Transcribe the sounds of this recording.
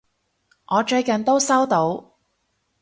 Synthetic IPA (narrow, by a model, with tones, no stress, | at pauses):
ŋʔɔː˨˧t͡ʃɵ˧ɥkɐ˨nt̪o˥wsɐ˥wt̪o˧˥w